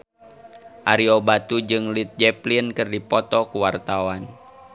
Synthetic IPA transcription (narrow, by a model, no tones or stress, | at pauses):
ʔaɾiɔbat̪ud͡ʒɨŋlit̪̚d͡ʒɛplinkɨrdipɔt̪ɔkuwart̪awan